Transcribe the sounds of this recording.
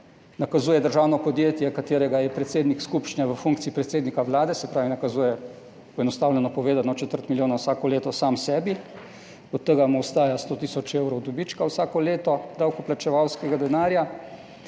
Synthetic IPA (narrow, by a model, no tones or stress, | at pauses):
nakazuːjɛd̪əɾʒaːwnɔpɔd̪jeːt̪jɛkat̪eːɾɛɡajɛpɾɛt̪seːd̪nikskupt͡ʃnʲaʋəfuŋkt̪siipɾɛt̪seːd̪nikaʋlaːd̪ɛsɛpɾaːʋinakazuːjɛ | pɔɛnɔst̪aːwlʲɛnɔpɔʋeːd̪anɔt͡ʃɛt̪əɾt̪miljoːnawsaːkɔleːt̪ɔsaːmsɛːbi | ɔt̪ːəɡamwst̪aːjast̪oːt̪iːsɔt͡ʃewɾɔwd̪ɔbit͡ʃkawsaːkɔleːt̪ɔd̪awkɔplat͡ʃɛʋawskɛɡad̪ɛnaːɾja